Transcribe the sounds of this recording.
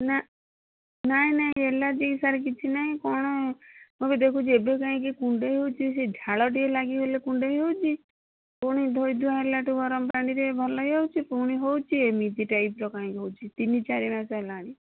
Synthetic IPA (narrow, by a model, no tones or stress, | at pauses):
na | naɦĩnaɦĩelad͡ʒiisaɾek̬it͡ʃʰinaɦĩkɔɽ̃ɔmobed̪ekʰut͡ʃʰiebekaɦĩkikuɳɖeɦiɦowt͡ʃʰised͡ʒʱaɭɔʈielaɡiɦolekuɳɖeɦiɦowt͡ʃʰi | puɽ̃id̪ʱojd̪uaɦelaʈuɡɔɾɔmpɾaɽ̃iɾebʱɔlɔjɦewt͡ʃʰipuɽ̃iɦowt͡ʃʰiemid͡ʒiʈajpɾɔkaĩkiɦowt͡ʃʰit̪init͡ʃaɾimasaelaɽ̃i